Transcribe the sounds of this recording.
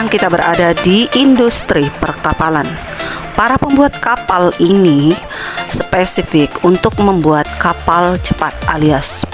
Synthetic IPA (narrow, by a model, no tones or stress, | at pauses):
aŋkit̪abəɾʔa̰dadiʔːndust̪ɾipərkapalan | paɾapəmbuat̪̚kapalini | sə̥pesifɪkunt̪ʊk̚məmbuat̪̚kapalt͡ʃəpat̪̚ʔa̰lias